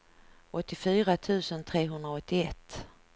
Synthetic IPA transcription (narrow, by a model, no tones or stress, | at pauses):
ʔɔt̪ːɪfyːɾat̪ʰʉ̟ːsənt̪ʰɾeːɦɵnd̪ɾaɔt̪ːɪɛt̪ː